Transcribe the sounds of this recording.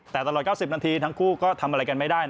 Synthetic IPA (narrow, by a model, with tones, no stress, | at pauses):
t̪ɛː˨˩t̪a˧l̚kaː˥˩wsi˨˩p̚na˧t̪ʰiː˧t̪ʰa˦˥ŋkʰuː˥˩kɔː˥˩t̪ʰa˧mʔa˧ɾa˧jka˧nma˥˩daː˥˩j